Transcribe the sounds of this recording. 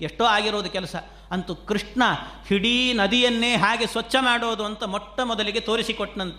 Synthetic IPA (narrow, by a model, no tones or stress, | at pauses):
eʂʈoːaːɡiɾoːd̪ɐkɛlɐsɐ | ɐnt̪ukɾiʂɳɐhiɽinɐd̪ijɐnːeːɦaːɡe̞sʋɐt͡ʃːɐmaːɽoːd̪uɐnt̪ɐmɔʈːɐmɔd̪ɐliɡet̪oːɾisikɔʈnɐnt̪ɐ